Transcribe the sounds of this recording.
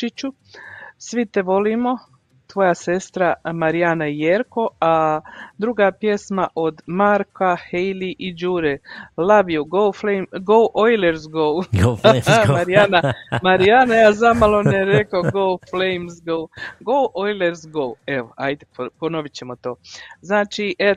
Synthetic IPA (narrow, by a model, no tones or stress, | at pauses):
it͡ʃu | sʋit̪eʋo̞liːmo̞ | t̪ʋo̞ːjase̞st̪ɾamaɾijanaijeɾko̞ad̪ɾuɡaːpje̞smaʔod̪maɾkahejliʔid͡ʒuːɾelaʋijuɡowflejmɡowʔojleɾzɡow | maɾijanamaɾiaːnajaːzamalˠoneɾekaɡowflejmzɡowɡowʔojleɾzɡoweʋoajd̪epono̞ʋit͡ɕe̞mo̞t̪o̞ːznaːt͡ʃiʔe